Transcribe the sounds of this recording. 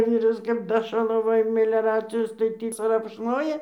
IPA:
ˈʋʲiːrɐs kɐp ˈdɑːʃɐlˠɐʋoːjɛ mʲɪlʲɛˈrɑːt͡sʲɪjoːs tɐɪ ˈtʲiː krɐpʃˈnoːjɛ

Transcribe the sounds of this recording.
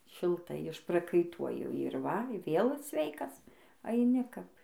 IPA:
ʃʲɪlˠˈtɐɪ ɪʃprɐkɐɪˈtuɔjɪ ɪr ˈʋɐ ˈʋʲeːlˠ ˈsʲʋʲɛɪkɐs ɐɪˈnʲɪ kɐp

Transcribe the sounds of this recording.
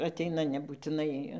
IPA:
ɐˈtʲɛɪnɐ nʲɛbuːtʲɪˈnɐɪ

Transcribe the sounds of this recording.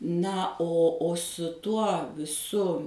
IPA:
ˈnɐ oː oː sʊ ˈtuɔ ˈsʊ

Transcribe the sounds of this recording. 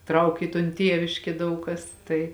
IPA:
ˈtrɐʊk ɪ toːn ˈtʲiɛʋʲɪʃʲkʲeː ˈdɐʊk kɐs ˈtɐɪ

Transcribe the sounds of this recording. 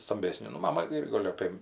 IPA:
stɐmʲˈbʲæːsʲnʲeː nʊ ˈmɑːmɐ ˈɪr ˈɡoːlʲ ˈɑːpʲeː

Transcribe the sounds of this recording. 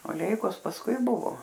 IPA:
oː ˈlʲɛɪkoːs pɐsˈkʊɪ ˈbʊʋoː

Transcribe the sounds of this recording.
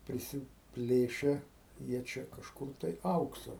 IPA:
pʲrʲɪsʲɪˈpʲlʲeːʃʲɛ jiɛ ˈt͡ʃʲɛ kɐʃˈkʊr tɐɪ ˈɐʊksɐ

